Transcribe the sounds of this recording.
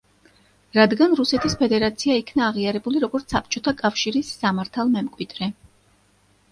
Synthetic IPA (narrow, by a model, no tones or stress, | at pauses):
ɾad̪ɡanɾusɛt̪ʰispʰɛd̪ɛɾat̪sʰiaikʰnaːʁiaɾɛbuliɾɔɡɔɾt̪sap̚ʰt͡ʃʼɔt̪ʰakʼafʃiɾisːamaɾt̪ʰalˠmɛmkʼwid̪̥ɾɛ